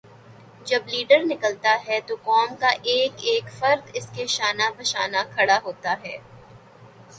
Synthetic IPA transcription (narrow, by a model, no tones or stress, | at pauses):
d͡ʒɐbliːɖəɾnɪkəlt̪aɦɛt̪okɔːmkaʔeːkeːkfɐɾd̪ɪskeʃaːnabɐʃaːnakʰɐɽaɦoːt̪aɦɛː